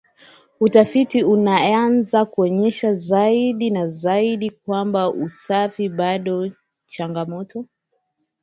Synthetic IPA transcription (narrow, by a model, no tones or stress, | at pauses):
utafitiunaanzakuɔɲɛʃazaiɗinazaiɗik̚wambaʔusafiɓaɗɔ | t͡ʃaŋɡamɔtɔ